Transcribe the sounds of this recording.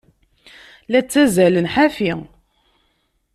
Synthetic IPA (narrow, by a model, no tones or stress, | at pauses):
læt͡sːæzælənħafi